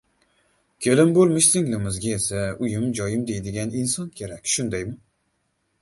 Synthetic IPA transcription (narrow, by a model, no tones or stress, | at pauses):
kʲʰelɪmbolˠmɪʃsɪŋlɪmɪzɡʲaesaʊjɪmd͡ʒɒjɪmd̪e̞jd̪ɪɡʲanɪnsɒnkʲʰe̞ɾakʲʃʊnd̪ajmʊ